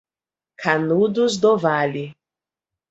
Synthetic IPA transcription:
kʰanud̪uzd̪ɔvali

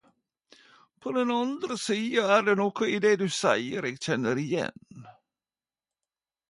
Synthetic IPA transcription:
pʰod̪ɛnɑnd̪ɾəsiːɑæːɾɖenoːkəid̪ed̪ʉːsæɪəɾeːɡc͡çɛnːəɾɪjɛ̰n

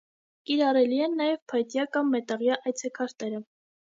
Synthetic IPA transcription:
kiɾɑrɛliɛnːɑjɛvpʰɑjt̪jɑkɑmːɛt̪ɑʁjɑʔɑjt͡sʰɛkʰɑɾt̪ɛɾə

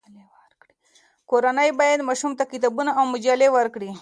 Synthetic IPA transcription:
leaɾkɽi | koɾanəjbajad̪maʃumt̪akɪt̪abunaawmʊd͡ʒalewaɾkɽi

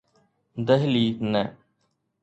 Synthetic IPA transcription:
d̪əɦliːt̪nɛː

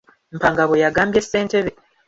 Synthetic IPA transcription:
mpaːŋɡaβojaɡaːmbje̞sːe̞ːnte̞ɾe

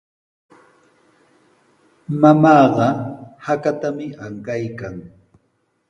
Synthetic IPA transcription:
mamɑːɢɑhakat̪amɪaŋkajkaŋ

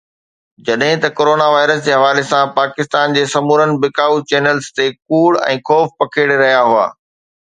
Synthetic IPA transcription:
d͡ʑɐɗɦɪ̃t̪ɐkoːɾoːnaʋaːɪɾəsd͡ʑeːɦɐʋaːlesãpaːkɪst̪aːnd͡ʑeːsɐmuːɾənɪ̆bɪkaːut͡ɕɛːnəlzt̪ekuːɽɛ̰̃ːxʰɔːfpɐkʰeɽɾɐɦijaɦʊa̰ː

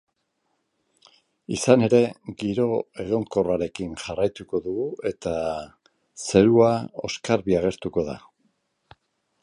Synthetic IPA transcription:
isane̞ɾe̞ɣiɾo̞e̞ɣ̞o̞ŋko̞raɾe̞kinʝarajt̪uko̞ðuɣue̞t̪a | se̞ɾuao̞̰skaɾβiaɣ̞e̞ɾt̪uko̞ða̰

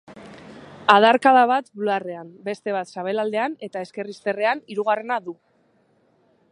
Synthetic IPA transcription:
aðaɾkaðaβ̞at̪bulare̞ambe̞st̪e̞β̞at̪saβ̞e̞lald̪e̞ane̞t̪ae̞ske̞rist̪e̞re̞aniɾuɣ̞are̞naðu

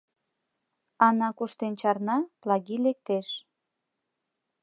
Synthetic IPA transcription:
ɑnɑkuʃt̪ent͡ɕɑrnɑplɑɣilek̚t̪eʃ

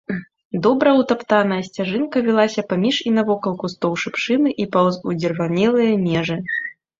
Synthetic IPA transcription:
d̪ɔbɾɐwt̪apt̪anɐjɐsʲt͡sʲaʐɨnkɐvʲilˠasʲɐpamʲiʂinɐvɔkɐlˠkust̪ɔwʂɨpʂɨnɨʔipɐud͡zʲɛrvanʲɛlˠɨjɐmʲɛʐɨ

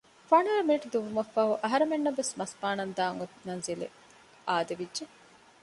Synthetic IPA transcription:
fɐɳaːmeːʈud̪uʋumɐfːɐɦuʔɐɦɐɾemenːɐʋesmɐspaːnɐnd̪aːŋut̪nɐnzilḛ | aːd̪ɐʋidʒe

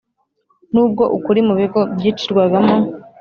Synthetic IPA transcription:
n̥uːb̚ɡo̞ʔukuɾimuβiɡo̞bɟiːt͡ʃiɾɡwaɡamo

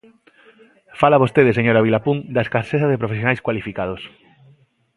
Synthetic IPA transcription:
falaβost̪eðeseɲoɾaβilapuŋd̪aeskaɾseθaðepɾofesjonajskwalifikað̞os

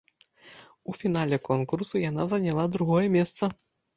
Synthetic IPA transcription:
ufʲin̪alʲɛkɔnkursujanazɐnʲalˠad̪ɾuɣɔjɛmʲɛst̪sɐ

